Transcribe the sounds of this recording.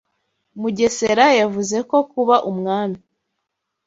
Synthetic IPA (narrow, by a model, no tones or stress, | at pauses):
muɟe̞se̞ɾajavuze̞ko̞kuβaʔumŋaːmi